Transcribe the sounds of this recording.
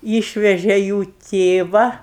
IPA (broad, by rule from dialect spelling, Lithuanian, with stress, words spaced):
ˈiːʃʲʋʲɛʒʲɛ juː ˈtʲeːʋɐ